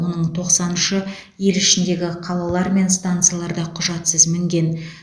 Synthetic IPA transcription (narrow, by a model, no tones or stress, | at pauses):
wo̞nəɴt̪ʰo̞qsɑnənʃə | je̞lɪʃɪnd̪e̞ɡʲɪqʰɑlˠɑlˠɑɾme̞nst̪ant̪sɨjalˠɑɾd̪ɑqʰʊʒɑt̪səzmɪŋɡʲe̞n